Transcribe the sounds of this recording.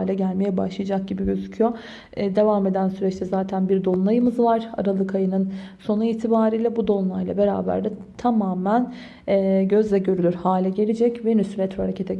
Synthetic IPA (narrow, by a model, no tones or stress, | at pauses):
lʲɛɟælʲmejɛbaʃlˠɯjad͡ʒak̚ɟibiɟø̞zycʰyjo | d̪e̞vamed̪ænsyɾɛt͡ʃt̪ʰɛzaːt̪ʰænbiɾd̪o̞nlˠajɯmɯzvaɾ̥a̰ɾalˠɯkʰajɯnɯnso̞nuiːt̪ʰibaːɾijlʲɛbud̪o̞nlˠajlˠa̰be̞ɾa̰ːbæ̰ɾd̪ɛ | t̪ʰamaːmænː | ɟø̞zlʲɛɟø̞ɾylʲyɾhaːlʲɛɟe̞lʲid͡ʒɛcvɛnysɾɛt̪ʰɾohaɾecʰe̞t̪ʰɛ